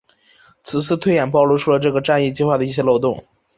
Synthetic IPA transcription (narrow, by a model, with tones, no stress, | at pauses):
t͡sʰɹ̩˨˩t͡sʰɹ̩˥˧t̪ʰwe˥ɪjɛ˨˩np̬ɑ˥˧ʊlu˥˧ʈ͡ʂʰu˥˩lə˩ʈ͡ʂɤ˥˩ɡə˩ʈ͡ʂa˥˧ni˥˧t͡ɕi˥˧xwa˥˩d̪ə˩i˥˩ɕjɛ˥lo˥˧ʊt̪ʊ˥˩ŋ